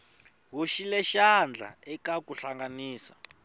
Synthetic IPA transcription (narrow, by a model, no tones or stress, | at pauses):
ɦuʃilɛʃand͡ɮʱa̰ɛkakuɬaŋɡaniːsa̰